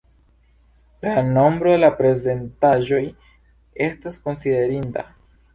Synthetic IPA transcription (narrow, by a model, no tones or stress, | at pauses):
lano̞mbɾodelapɾe̞ze̞ntaʒo̞j | e̞stasko̞nside̞ɾinta̰